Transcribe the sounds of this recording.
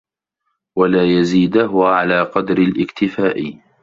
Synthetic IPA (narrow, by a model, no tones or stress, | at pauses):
walaːjaziːd̪ʊɦʊwaʕalaːqɑd̪ɾɪlʔɪkt̪ɪfaːʔɪ